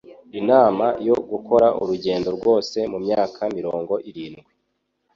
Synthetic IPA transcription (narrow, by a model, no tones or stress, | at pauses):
inaːmajo̞ɡuko̞ɾaʔuɾuɟe̞ːndo̞ɾɡwo̞ːse̞mumɲaːkʰamiɾo̞ːŋɡo̞ʔiɾiːnɡwi